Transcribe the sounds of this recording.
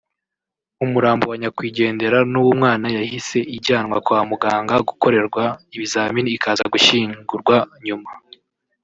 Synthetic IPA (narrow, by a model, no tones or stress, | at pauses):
umuɾaːmbowaɲakwiːɟe̞ːnde̞ɾanuwumŋaːnajahise̞ʔiɾɟaːnwa̰kwaːmuɡaːŋɡaɡuko̞ɾe̞ɾɡwaiβizaːminiːkaːza̰ɡuʃiːŋɡuɾɡwaɲuma